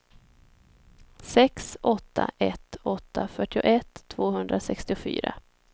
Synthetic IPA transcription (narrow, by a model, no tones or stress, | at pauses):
sɛksʔɔt̪ʰːaʔɛt̪ːɔt̪ʰːafœʈːɪʊ̰ʔɛt̪ʰːv̥oːɦɵnd̪ɾasɛkst̪ɪʊfy̰ːɾa